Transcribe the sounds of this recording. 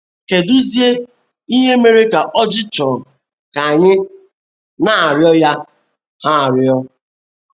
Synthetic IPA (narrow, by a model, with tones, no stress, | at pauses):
ke˨du˦zje˦ | i˦ɦe˦me˨ɾe˦ka˨ʔɔ˦d͡ʒɪ˦t͡ʃɔ˨ | ka˨ɲɪ˦ | na˨a˨ɾɪjɔ˦ja˦ | ha˦a˨ɾɪ˨ɔ˦